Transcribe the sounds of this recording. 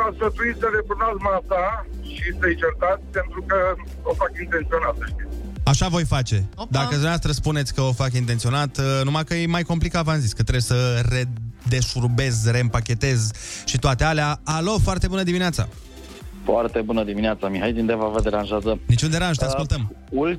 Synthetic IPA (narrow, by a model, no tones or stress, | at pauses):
asfət̪uisəɾep̪uɾnazmasa | ʃisəjit͡ʃert̪at̪sʲpe̞nt̪ɾukə | ofakint̪ent̪sio̞nat̪səʃt̪it̪sʲaʃavo̞jfat͡ʃe̞d̪akəd̪unavast̪ɾəspune̞t̪sʲkəofakint̪ent̪sio̞nat̪numakəjemajko̞mplikavanzisʲkət̪ɾejesəre̞d̪e̞ʃurbe̞zre̞ɨmpakʲe̞t̪e̞zʃit̪oat̪e̞aleaalo̞foart̪e̞bunəd̪imineat̪sa̰ | foart̪e̞bunəd̪imineat̪samiɦajd̪ind̪evavəd̪eɾanʒazənit͡ʃund̪e̞ɾanʒt̪eaaskult̪əm | ul